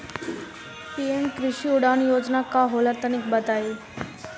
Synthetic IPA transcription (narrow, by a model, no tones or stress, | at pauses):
piemkɾiɕiuɽanjod͡znakaɦolaɾt̪əñiːk̚bət̪ai